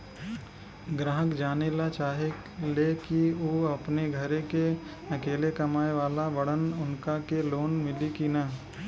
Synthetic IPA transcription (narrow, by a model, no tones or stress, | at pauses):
ɡɾaːɦəkd͡ʒaːnelat͡ʃaːɦe | lekioːɐpneɡʱɐɾeke | ɐkeːlekɐmaːeʋaːlabɐɽ̤ənʊnkakeloːnmɪlikina